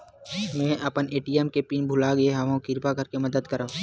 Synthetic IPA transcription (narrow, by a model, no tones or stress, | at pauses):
mɛ̃ːɐpəneːʈiɛmkepiːnbʱʊlaɡɐeɦɐmõkɪɾpakɐɾkemɐd̪əd̪kəɾa